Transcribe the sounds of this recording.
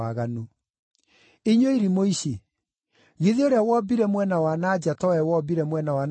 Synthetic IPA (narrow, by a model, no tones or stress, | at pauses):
aɣanu | eɲoiɾimoiɕe | ɣeðioɾeawɔbiɾɛmwɛnawanad͡ʑatɔwɛwɔbiɾɛmwɛnawan